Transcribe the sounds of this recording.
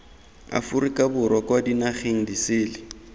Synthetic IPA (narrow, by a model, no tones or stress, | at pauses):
a̰fʊrikʼabʊɾwɔkʼwadinaχeŋ̩disɪːlɪ